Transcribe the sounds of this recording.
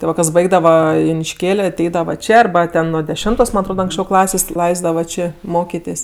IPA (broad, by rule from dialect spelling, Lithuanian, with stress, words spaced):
tʲɪ ˈʋɐ kɐs ˈbɐɪɡdɐʋɐ jʊnʲɪʃʲˈkʲeːlʲ ɐˈtʲɛɪdɐʋɐ ˈt͡ʃʲeː ɐrˈbɐ ˈtʲɛn nuɔ dʲɛˈʃʲɛmtoːs mɐn ɐtˈroːt ɐŋksʲˈt͡ʃʲɛʊ ˈklˠɑːsʲeːsʲ ˈlˠɐɪzdɐʋɐ ˈt͡ʃʲeː ˈmoːkʲɪtʲeːsʲ